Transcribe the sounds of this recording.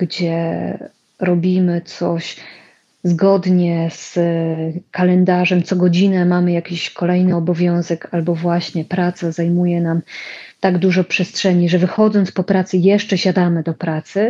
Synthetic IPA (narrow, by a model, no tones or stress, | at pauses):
ɡd͡ʑɛ | ɾɔbʲimɘt̪sɔɕ | zɡɔd̪ɲɛs | kalɛnd̪aʐɛmt̪sɔɡɔd͡ʑinɛmamɘjakʲiɕkʰɔlɛjnɘɔbɔvʲjɔ̃w̃zɛkalbɔvwaɕɲɛpɾat̪sazajmujɛnamt̪aɡd̪uʐɔpʂɛstʂɛɲiʐɛvɘxɔd̪zɔnt̪spɔpɾat̪sɘjɛʂt͡ʂɛɕad̪amɘd̪ɔpɾat̪sɘ